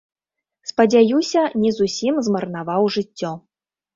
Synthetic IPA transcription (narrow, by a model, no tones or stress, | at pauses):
spɐd͡zʲajusʲɐnʲizusʲimzmɐrnavawʐɨtʲːɔ